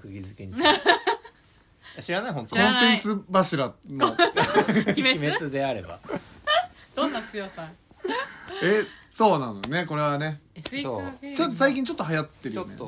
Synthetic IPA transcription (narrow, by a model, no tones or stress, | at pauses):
kɯɡʲizɨkeɲ | jaɕiɾanaiɦõ̞nt̪okõnẽ̞nt͡sɨbaɕiɾano | imet͡sɨd̪e̞aɾe̞ba̰ | d̪̥õnːat͡sɨjosã | eso̞ːnãnojone̞ko̞ɾe̞βane̞ot͡ɕot̪ːosaikʲĩɲ̟t͡ɕo̞t̪ːoɦajat̪ːe̞ɾɯjnḛ